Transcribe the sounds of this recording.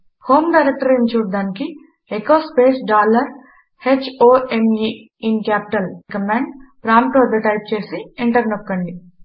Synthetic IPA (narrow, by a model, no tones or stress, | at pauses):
hoːmɖɐːɾɐk̚ʈɐɾint͡ʃuːɽd̪aːniki | ekoːspe̞ːsɖaːlɐɾ | het͡ʃːoːemji | inkjaːpi̥ʈɐlkɐmaːɳɖpɾaːmʈoːd̪ɐʈɐjp̚t͡ʃe̞ːsiiɳʈɐɾnokːɐɳɖi